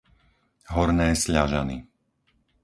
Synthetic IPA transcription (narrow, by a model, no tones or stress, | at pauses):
ɦɔɾnɛːsʎaʒa̰nḭ